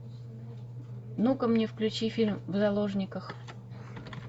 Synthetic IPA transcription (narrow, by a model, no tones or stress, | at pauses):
nukəmnʲɪfklʲʉt͡ɕifʲilʲmvzɐlˠoʐnʲɪkəx